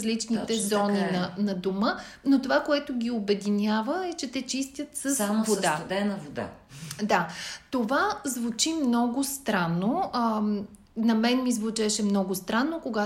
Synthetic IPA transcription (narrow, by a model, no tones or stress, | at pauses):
zlit͡ʃnit̪ɛzɔninɐnɐd̪omə | not̪ovakoɛt̪ʊɡʲiobɛd̪inʲavəɛt͡ʃɛt̪ɛt͡ʃist̪ʲət̪səsvoad̪ɛnəvod̪a̰ | d̪at̪ovazvut͡ʃimnɔɡʊst̪ɾanːo | nɐmɛnmizvut͡ʃɛʃɛmnɔɡʊst̪ɾanːokoɡa